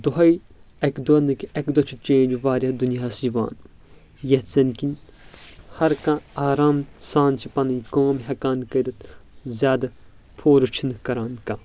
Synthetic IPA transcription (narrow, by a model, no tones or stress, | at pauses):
d̪uɦɐi | ɐkd̪uɐnɨkiɐkd̪oɐt͡ʃʰit͡ʃẽːnd͡ʒʋaːɾʲɐd̪unijaːsd͡ʒiʋa̰ːn | jɐt͡sɐnkin | hɐɾkãːaːɾaːmsãːnt͡ʃʰipɐnɐkoːmɦʲɐkaːnkɐd̪ɐt̪zʲjaːd̪ɐ | pʰoːɾɨt͡ʃʰinɨkɐɾaːnkã̰ː